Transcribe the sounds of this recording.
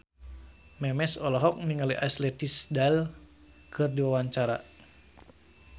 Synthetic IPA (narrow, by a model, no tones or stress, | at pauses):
mɛmɛsɔlɔɦɔk̚niŋaliʔaslɛt̪isdal | kʰɨrdiwawaɲt͡ʃaɾa